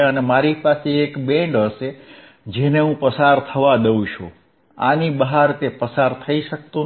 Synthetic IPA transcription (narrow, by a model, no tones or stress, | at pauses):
ənemaɾipaseekbẽɳɖɦəʃe | d͡ʒeneɦũpəsaɾt̪ʰəʋad̪eũʃʰṵ̃ | a̰nibəɦaɾt̪epəsaɾt̪ʰəiʃək̚t̪ũ